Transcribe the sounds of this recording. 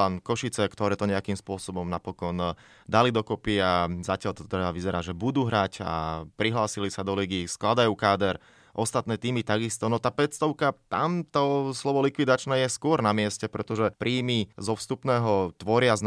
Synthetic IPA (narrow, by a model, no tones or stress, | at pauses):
ankɔʃit͡sɛkt̪ɔɾɛːt̪ɔɲɛakimspʊɔsɔbɔmnapɔkɔn | d̪alid̪ɔkɔpiazacɪalt̪ɔt̪ɾɛbaʋizɛɾaːʒɛbud̪uːɦɾaca̰pɾiɦlaːsilisad̪ɔliːɡiːsklad̪ajuːkaːd̪ɛɾ | ʔɔst̪at̪̚nɛːt̪iːmit̪aɡist̪ɔnɔt̪aːpɛt̪st̪ɔʊkat̪amt̪ɔslɔʋɔlikʋid̪at͡ʃnɛːjɛskʊɔɾnamɪɛscɛpɾɛt̪ɔʒɛpɾʔiːmizɔfst̪upnɛːɦɔt̪ʋɔɾɪazn